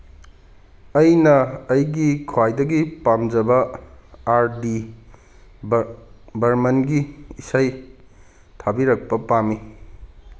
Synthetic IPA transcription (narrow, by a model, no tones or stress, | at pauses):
ɐjnɐːjɡikʰwajdɐɡipamd͡ʒɐbɐ | aɾdi | bɐɾmɐnɡiːsaj | tʰabiɾɐk̚pɐpami